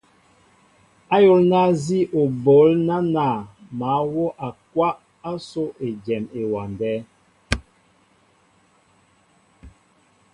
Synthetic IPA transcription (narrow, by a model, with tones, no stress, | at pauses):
a˦jo˦lna˦zi˦ʔo˨bo˨˦lna˦na˨maː˨˦wɔ˦ʔa˨k̚wa˦ʔ | a˦so˦ʔe˨d͡ʒɛ˨me˨wa˨ndɛ˦